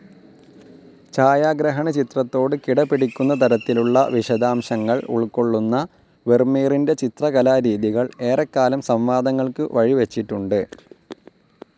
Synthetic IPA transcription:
t͡ɕaːjaːɡɾɐɦɐɳɐt͡ɕit̪rɐt̪ːo̞ːɽɨkiɽɐpːiɽikʲːunːɐt̪ɐɾɐt̪ːiluɭːɐ̰ʋiɕɐd̪aːmɕɐŋːɐɭṵɭko̞ɭːunːɐ | ʋermiːrinde̞t͡ɕit̪rɐɣɐlaːɾiːðiɣɐɭe̞ːrɐkːaːlɐmsɐmʋaːd̪ɐŋːɐɭkɨʋɐɻiʋet͡ɕːiʈːuɳɖɨ

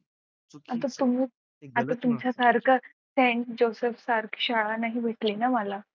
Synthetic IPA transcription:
at̪̬at̪umiː | at̪at̪umt͡ɕasaɾkʰə | seɳʈ̚d͡ʑosefsaɾkʰɕaɭanaɦiːbʱeʈlenamala

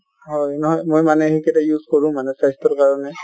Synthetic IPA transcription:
ɦɔjnɔɦɔjmojmanɛhikɛtajuzkɔɹʊ̃manɛsajstɔɹkaɹɔnɛ

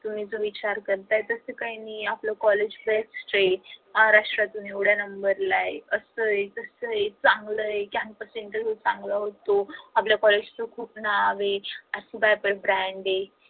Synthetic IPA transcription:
t̪um̤iːd͡zoʋit͡ɕaɾkəɾt̪aet̪əsekainiːapləkɔled͡ʑbeksʈɾeaɾaʂʈɾat̪uniewɽ̤janəmbəɾlaeəsəet̪əsəet͡sãŋɡləekjãnpəseɳʈ̪əsot͡sãŋɡləɦot̪oapljakɔled͡ʑt͡səkʰuːpnaʋeəsibajpəlbɾæ̃ɳɖe

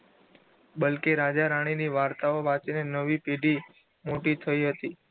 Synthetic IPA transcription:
ɓəlkeɾad͡ʒaɾaɽ̃iniʋaɾt̪aoʋat͡ʃinenəʋipeɖi | moʈit̪ʰəiɦət̪i

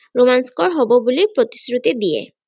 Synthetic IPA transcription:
ɾomanskɔɹɦɔbobulipɾot̪i̥sɾut̪id̪ijḛ

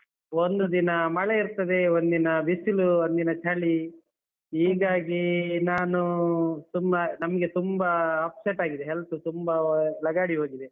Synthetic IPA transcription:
ond̪ud̪inɐmɐɭeiɾt̪ɐd̪e̞ond̪inɐbisiluond̪inɐt͡ʃaːɭi | iːɡaːɡinaːnut̪umːɐnɐmɐɡe̞t̪umbɐːpseʈaːɡid̪eɦelsut̪umbɐlɐɡaːɽiɦo̞ːɡid̪e

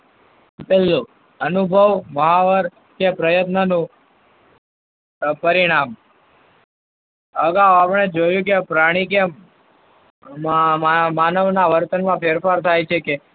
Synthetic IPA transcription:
pelːo | ənubʱəʋməɦaʋəɾ | kepɾəjət̪nənũ | pəɾiɽ̃am | əɡaapɳ̃ed͡ʒojũkepɾaɽ̃ike | mamanəʋnaʋəɾt̪ənmãpʰeɾfaɾt̪ʰajt͡ʃʰeke

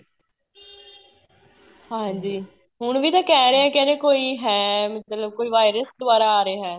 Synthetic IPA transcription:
hãːɲd͡ʒiː | ɦʊɳʋiːt̪ãːkɛːɾeːɛ̃ːkɛːɾeːkoːiːɦɛːmət̪ləb̚koːiːʋaːɪɾəsd̪ʊʋaːɾaːaːɾeːɦɛː

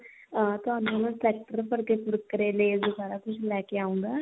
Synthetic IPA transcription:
t̪ʊɦaːnõːmɛ̃ːsɛːk̚ʈəɾpəɾkepʊɾkːəɾeːleːzd̪ʊbaːɾaːkʊt͡ʃʰlɛːkeaːũŋ̆ɡaː

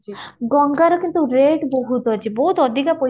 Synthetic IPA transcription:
ɡɔŋɡaɾokint̪uɾeɖboɦut̪ot͡ɕʰiboɦut̪od̪ʱikapo

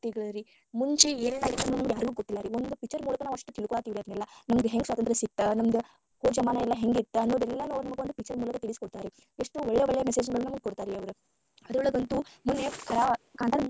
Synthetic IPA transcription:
t̪iɡɐɭɐɾi | muɲt͡ʃieːɾd̪aːɡit̪ːɐnːumɐmɐɡjaːɾuɡuːɡot̪ːilːaɾiond̪upik̚t͡ʃːɐɾmuːlɐkɐnaːʋɐʂʈːut̪iɭukɔɭaːt̪iːʋiɾiɐd̪nɛlːɐnɐmɐɡ̪ɦeŋɡsʋaːt̪ɐnt̪ɾɐsik̚t̪ːɐnɐmɐd̪ɐ | hoːd͡ʒɐmaːnɐɛlːɐɦe̞ŋɡit̪ːɐɐnːoːd̪ɛlːɐnːuːɐʋɾunɐmɐɡeond̪upikt͡ʃːɐɾmuːlɐkɐt̪iɭiskoɽt̪aːɾi | eʂʈuʋeɭːejʋeɭːɛjɐmeseːd͡ʒiŋɡɐɭːunɐmɡekoɽt̪aːɾiɐʋɐɾu | ɐd̪uɭɐɡɐnt̪umunːekʰɐɾaːkaːnd̪aːɾ

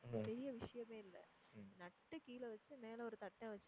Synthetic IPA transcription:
pɛɾɪjɐʋɪʂɐjɐmeːɪlːɛ̰ | nɐʈːɯkiːlɛʋɐt͡ʃːɯmeːlɛɔɾɯt̪ɐʈːɛ̃ʋɐt͡ʃː

